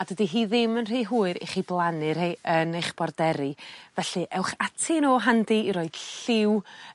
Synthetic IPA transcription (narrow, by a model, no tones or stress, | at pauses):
adədiɦiːðɪmənr̥iːɦuːɨɾḛχiːblˠanɨrhejənejχb̥ɔrdɛɾivɛɬɨʔɛwχatʰɪnoːɦandiiɾoɨd̥ɬɪw